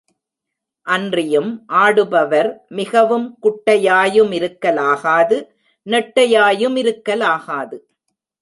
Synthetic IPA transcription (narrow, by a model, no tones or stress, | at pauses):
ʔɐndrɪjɯmʔaːɽɯbɐʋɐɾmɪɣɐʋɯmkʊʈːɐjaːjɯmɪɾɯkːɐlaːɣaːðɯ | nɛʈːɐjaːjɯmɪɾɯkːɐlaːɣaːðɯ